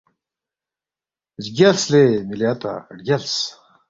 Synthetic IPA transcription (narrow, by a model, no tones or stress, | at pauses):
zɡʲɐlslemiljat̪a̰ɖɡʲɐls